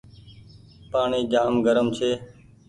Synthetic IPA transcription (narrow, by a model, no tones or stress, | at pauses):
paːɳiːɡaːmɡəɾəmt͡ʃʰeː